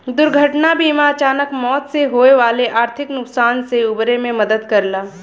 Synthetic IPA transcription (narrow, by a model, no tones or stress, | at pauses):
d̪ʊɾɡʱəʈnabiːmaɐt͡ʃaːnəkmɔːt̪seɦoːeʋaːleʔaːɾt̪ʰɪknʊksaːnseʊbɾemẽmɐd̪əd̪kɐɾlaː